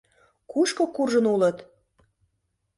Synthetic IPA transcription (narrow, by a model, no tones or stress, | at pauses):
kuʃkokurʒənulə̆t̪